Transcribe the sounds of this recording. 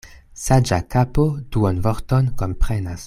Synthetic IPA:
sad͡ʒakapod̥uonvoɾtonkompɾenas

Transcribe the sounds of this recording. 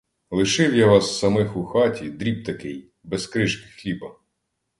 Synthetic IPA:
lˠɪʃɪwjaʋɑsːɐmɪxuxɑtʲid̪ɾʲib̚t̪ɐkɪj | bɛskɾɪʃkɪ̥xlʲibɐ

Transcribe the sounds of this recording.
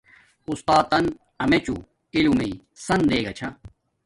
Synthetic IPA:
ust̪aːt̪ɐn | ɐmet͡ɕṵ | kilumei | sɐnd̪eːɡɐt͡ɕʰɐ

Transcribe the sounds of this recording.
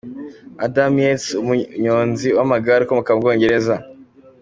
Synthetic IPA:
adamesumuɲoːnziwamaɡaɾikomukabɡo̞ːɲɟe̞ɾe̞za

